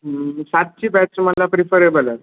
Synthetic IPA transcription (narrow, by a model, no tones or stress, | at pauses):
sat̪̚t͡ɕiːbɛʈt͡sməlapɾifəɾebəlaɾ